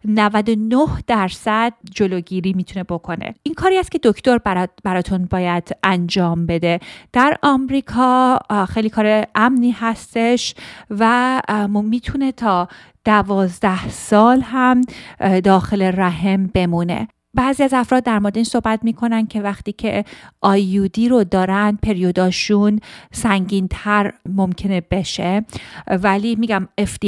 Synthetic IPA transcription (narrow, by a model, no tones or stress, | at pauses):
nævæd̪o̞nohd̪̥æɾsæd̪̚d͡ʒo̞loɟiːɾiːmiːt̪ʰune̞bo̞kʰo̞nḛʔinkʰɒːɾiːæst̪̚cʰe̞d̪o̞kʰt̪o̞ɾbbæɾɒːt̪ʰunbɒːjæd̪̥ʔænd͡ʒɒːmbe̞d̪e̞d̪̥æɾɒmɾiːkʰɒːxejliːkʰɒːɾeʔæmniːhæst̪e̞ʃvæ | miːt̪ʰune̞t̪ʰɒː | d̪̥ævɒːzd̪æhsɒːlɦæmd̪ɒːxeleɾæɦembe̞muːne̞̰ | bæːziæzæfɾɒːd̪̚ːæɾmoɾed̪eiːnsohbæt̪miːkʰo̞nænd̪̚cʰe̞væxt̪iːcʰe̞̰ʔɒːjuːd̪iːɾo̞d̪ɒːɾænd̪̚pʰe̞ɾijod̪ɒːʃunsæŋɟiːnt̪ʰæɾmo̞mcʰe̞nebe̞ʃevælimiːɟæmefd̪i